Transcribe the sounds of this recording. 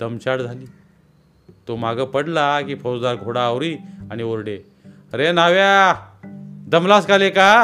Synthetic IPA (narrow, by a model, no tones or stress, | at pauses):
d̪əmt͡ɕaɽd͡zʱaliː | t̪om̤aɡʱəpəɽlakiːfosd̪aɾɡʱoɽaːwɾiːaɽ̃ioɾɽe | ɾenaʋa | d̪əmlaskaleka